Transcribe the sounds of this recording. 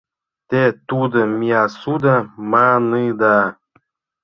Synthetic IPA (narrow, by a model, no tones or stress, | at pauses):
t̪et̪ud̪ɤ̆mʲiasud̪amanɯd̪ɑ